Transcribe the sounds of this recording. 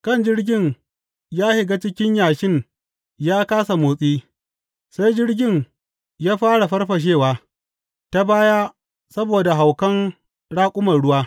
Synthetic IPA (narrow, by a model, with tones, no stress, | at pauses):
kɐ˦˨nd͡ʒɪ˦rɡʲɪ˦ɲ | jaː˦hɪ˨ɡa˦t͡ʃɪ˦kʲɪ˦ɲjaː˨ʃɪ˦ɲ | jaː˦kaː˦sa˨moː˨sʼiː˦ | sa˦jd͡ʒɪ˦rɡʲɪ˦˨ɲ | jaː˦ɸaː˦ɽa˨ɸɐ˦rɸɐ˨ʃ̬eː˦˨waː˨ | ta˦baː˦jaː˦ | sɐ˦boː˨da˨ɦa˨wkɐ˦n | ɽaː˦kʷʼʊ˦mɐ˨rɽʊ˦waː˦